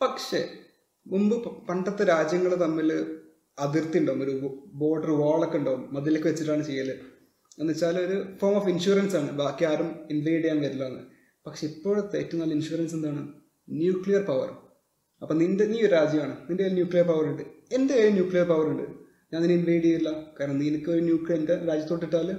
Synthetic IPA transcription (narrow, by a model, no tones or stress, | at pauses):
pɐkʂe̞̰ | mumbɨpɐɳɖɐt̪ːeɾaːd͡ʑjɐŋːɐɭt̪ɐmːil | ɐd̪irt̪ːiuɳɖoːumoɾubo̞ːɖɐrʋoːɭɐkːuɳɖoːumːɐðilekːɨʋet͡ɕːiʈːaːɳɨt͡ɕe̞jːɐlɨ | enːɐt͡ɕːaːlo̞ɾufoːrmofinʂuːɾɐnsaːɳɨbaːkːijaːɾuminʋɐjɖijaːnʋɐɾilːoːɐnːɨ̰ | pɐkʂe̞ipːo̞ːɽt̪ejtːunːɐːlːɐinɕuːɾɐnse̞nd̪aːɳɨ | njuːkɭijɐrpɐʋɐ̰r | ɐpːoːnindeniːoɾɾaːd͡ʑjɐmaːɳɨnindeenjuːkɭijɐrpɐʋɐruɳɖɨe̞ndeeɾinjuːkɭijɐrpɐʋɐruɳɖɨ | ɲaːnineinʋɐjɽijɐilːɐkaːɾɐɳɐniːnɨkːoɾunjuːklijɐendeɾaːd͡ʑjɐt̪ːo̞ːʈ̬ːiʈːaːlum